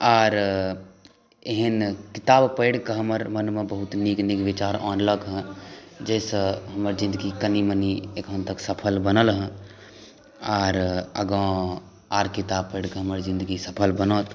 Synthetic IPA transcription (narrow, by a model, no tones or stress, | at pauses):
aːɾ | eɦənkit̪aːbpəɪɽkəɦəməɾmənmẽbəɦut̪niknikbit͡ʃaːɾɔːnləɡɦə̃d͡ʒɛɪsə̃ɦəməɾd͡ʒĩnd̪əɡikəniməniekɦənt̪əksəpʰəlbənəlɦə̃ | aːɾə̰ɡɔ̃ | aːɾkit̪ab̚pəɪɽkɦəməɾzĩnd̪əɡisəpʰəlbənɔt̪